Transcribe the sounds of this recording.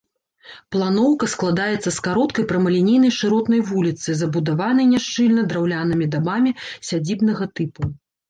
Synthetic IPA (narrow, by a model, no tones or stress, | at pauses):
plˠanɔwkɐsklˠad̪ajɛt̪sːɐskaɾɔt̪kɐjpɾɐmɐlʲinʲijnɐjʂɨɾɔt̪nɐjvulʲit̪sɨzɐbud̪avanɨjnʲaʂt͡ʂɨlʲnɐd̪ɾawlʲanɨmʲid̪abamʲisʲad͡zʲibnɐɣɐt̪ɨpu